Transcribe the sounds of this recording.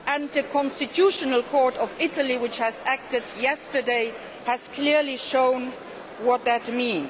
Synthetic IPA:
ʔə̃nðəkʰɔ̃nstitʰjuʃənəlkʰɔɹtɔvɪtəliwɪt͡ʃhæzæk̚tɪdjɛstə˞deɪ | hæz̥kʰliɹliʃõʊ̃n | wʌt̪̚ðætmĩn

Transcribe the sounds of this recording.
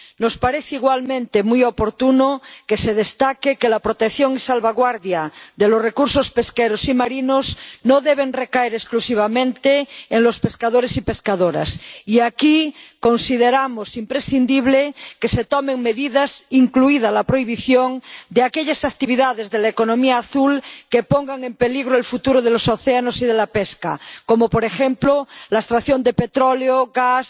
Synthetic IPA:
nospaɾeθeiɣwalmẽnt̪emujopoɾt̪unokeseð̞est̪akekelapɾot̪ekθjoŋisalβaɣwaɾðjaðelosrekuɾsospeskeɾosimaɾinosnoðeβ̞enrekaeɾesklusiβ̞amẽnt̪eːŋlospeskaðoɾesipe̞skaðoɾa̰siakiko̞nsið̞eɾamosimpɾesθind̪iβ̞lekeset̪omeŋme̞ðiðasiŋkluiðalapɾoiβ̞iθjoŋd̪eakeʎasak̚t̪iβiðaðezðelaekonõmiaːθulkepoŋɡaŋempeliɣɾoelfut̪uɾoð̞elosoθeanosiðelapeska̰komopoɾexemplolaest̪ɾaθjond̪epet̪ɾoleoɣas

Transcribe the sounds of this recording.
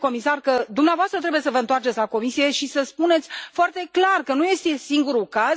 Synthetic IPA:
ko̞misarkəd̪umneavoast̪ɾət̪ɾe̞bujesəvəɨnt̪oart͡ʃet̪sʲlako̞misije̞ʃisəspune̞t̪sʲfoart̪e̞klarkənuje̞st̪e̞siŋɡuɾukaz

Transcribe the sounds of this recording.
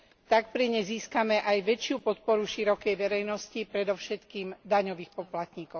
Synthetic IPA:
t̪ak̚pɾiɲɛziːskamɛʔajʋɛt͡ʃɪupɔt̪̚pɔɾuʃiɾɔkɛjʋɛɾɛjnɔscipɾɛd̪ɔʊʃɛt̪kiːmd̪aɲɔʋiːxpɔplat̪ɲikɔʊ

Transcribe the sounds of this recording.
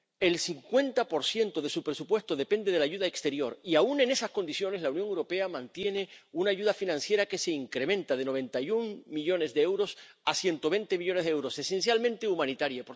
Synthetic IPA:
e̞lsiŋkwe̞nt̪apo̞ɾsje̞nt̪oð̞e̞supɾesupwe̞st̪oðe̞pe̞nd̪eð̞e̞laʝuðaekst̪e̞ɾjo̞ɾiaune̞ne̞sasko̞nd̪isjo̞neslaunjo̞ŋewɾo̞pe̞amãnt̪je̞ne̞unaːʝuðafinãnsje̞ɾake̞seiŋkɾemẽ̞nt̪að̞e̞no̞βẽ̞nt̪ajuŋmiʎo̞ne̞zðeewɾo̞sasje̞nt̪oβe̞nt̪emiʎo̞nezðeewɾo̞se̞se̞ns̬jalmẽnt̪e̞umãnit̪aɾjap

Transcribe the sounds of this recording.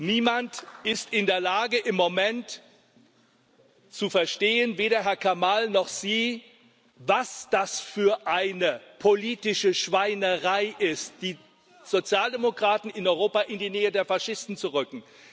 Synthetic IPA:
niːmantɪstɪndeːɐlaːɡəʔɪmːomɛnt | t͡sufɛɐʃteːənveːɾɐɦɛɐkʰamalnɔχz̥iː | vasd̥asfyːɐʔaɪnəpʰoliːtɪʃəʃv̥aɪnəʁaɪʔɪst̚d̥iː | z̥ot͡sjaːldemokʁ̥aːtn̩ɪnɔʏʁoːpaʔɪndiːnɛːədeːɐfaʃɪstn̩t͡suʁʏkŋ̩

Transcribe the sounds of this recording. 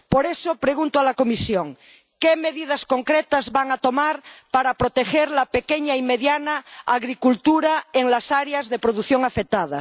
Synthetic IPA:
poɾesopɾeɣ̞unt̪oalakomisjoŋ | kemeðið̞askoŋkɾet̪azβaŋat̪omaɾpaɾapɾot̪exeɾlapekeɲaimeðjanaaɣɾikult̪uɾaeŋlasaɾeazðepɾoðuθjoŋafek̚t̪að̞a̰

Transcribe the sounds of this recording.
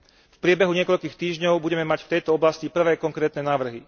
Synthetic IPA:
fpɾɪɛbɛɦuɲɪɛkɔʎkiːxt̪iːʒɲɔʊbuɟɛmɛmacft̪ɛjt̪ɔɔblascipr̩ʋɛːkɔŋkɾɛːt̪nɛnaːʋr̩ɦi

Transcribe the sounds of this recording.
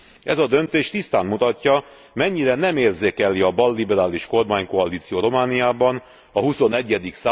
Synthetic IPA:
ʔɛzɒd̪ø̞nt̪eːʃt̪ist̪aːnmut̪ɒcːɒ | mɛɲːiɾɛnɛmeːrzeːkɛliɒbɒlːibɛɾaːliʃko̞rmaːɲko̞ɒliːt̪sijoːɾo̞maːnijaːbɒn | ɒɦuso̞nɛɟːɛd̪iksaː

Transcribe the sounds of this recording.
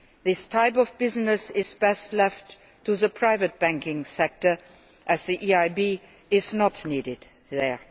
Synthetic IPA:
ðɪstʰaɪpɔvbɪznɨsɪzbɛstlɛftʰː | uðəpʰɹ̥aɪvɨt̚b̥æ̃ŋkɪ̃ŋsɛk̚tə˞ | ʔɨzðiʔiaɪbi | ɪznətniːɾɪd̪ | ðə˞

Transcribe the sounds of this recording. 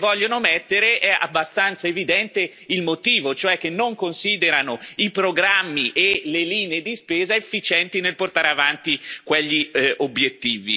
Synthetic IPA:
vɔʎːonomɛt̪ːeɾeʔɛa̰bːast̪ant̪saevid̪ɛnt̪e | ilmot̪iːvot͡ʃoɛkːenːoŋkonsiːd̪eɾanoipɾoɡɾamːiʔeleliːneːd̪ispeːzaefːit͡ʃɛnt̪inelport̪aːɾeavant̪ikweʎːiʔobːjet̪ːiːvḭ

